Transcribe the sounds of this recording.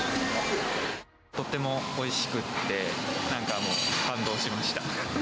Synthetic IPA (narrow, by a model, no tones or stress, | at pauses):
t̪o̞t̪ːe̞mo̞oiɕi̥kɯ̟t̪ːe̞nãŋkamo̞ːkãnd̪o̞ːɕt̪emaɕi̥t̪a